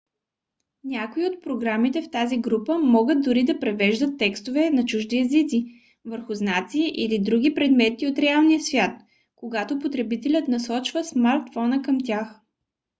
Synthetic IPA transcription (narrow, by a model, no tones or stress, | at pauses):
nʲakoiot̪̚pɾoɡɾamit̪ɛft̪aziɡɾupəmɔɡət̪̚d̪ʊɾid̪ɐpɾɛvɛʒd̪ət̪ːɛkst̪ovɛnɐt͡ʃuʒd̪iɛzit̪si | vəɾxʊznat̪siːʔilid̪ɾuɡipɾɛd̪mɛt̪iot̪ɾɛalˠnijəsvʲjat̪̚ | koɡat̪opot̪ɾɛbit̪ɛlʲət̪nɐsɔt͡ʃvəsmaɾt̪fɔnəkəmt̪ʲjax